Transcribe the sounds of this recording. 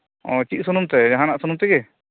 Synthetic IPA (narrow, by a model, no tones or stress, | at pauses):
ɔ̃t͡ʃiʔ̚sunumt̪ɛd͡ʒaɦãnaʔsɔnumt̪ɛɡɛ